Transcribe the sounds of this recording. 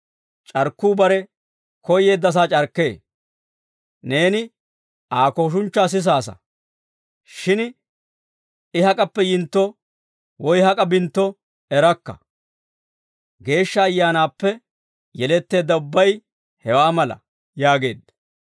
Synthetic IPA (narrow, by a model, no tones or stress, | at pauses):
t͡ʃʼɐɾkːuːbɐɾɛ | kɔje̞ːd̪ːɐs̬aːt͡ʃʼɐɾkːe̞ː | ne̞ːnɪ | aːko̞ːʃ̬ʊnt͡ʃːaːs̬ɪs̬aːsɐ̰ | ʃɪn | ɪhɐkʼɐpːɛjɪnt̪ːɔ | wɔjhɐkʼɐbɪnt̪ːɔ | ɛɾɐkːɐ̰ | ɡe̞ːʃːɐːjːaːnaːpːɛ | jɛlɛt̪ːe̞ːd̪ːɐʊbːɐj | hɛwaːmɐlɐ̰ | jaːɡe̞̰ːd̪ːɐ̥